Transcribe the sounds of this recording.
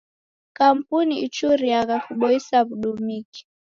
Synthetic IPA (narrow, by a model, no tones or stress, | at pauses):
kam̩puniit͡ʃuɾijakakuɓɔisaβuɗumiki̥